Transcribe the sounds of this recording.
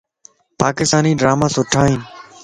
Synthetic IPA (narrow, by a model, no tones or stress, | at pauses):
paːkɪst̪aːniːɖɾaːmaːsʊʈʰaːɦĩːn